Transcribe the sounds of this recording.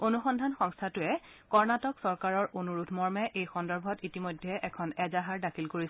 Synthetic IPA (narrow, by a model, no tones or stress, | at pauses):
onuxɔndʱanxɔŋstʰatʊɛkɔɹnatɔksɔɹkaɹɔɹʔonuɹudʱmɔɹmɛʔejxɔndɔɹbʱɔtitimojdʱːɛʔɛkʰɔnɛzaɦaɹdakʰilkoɹis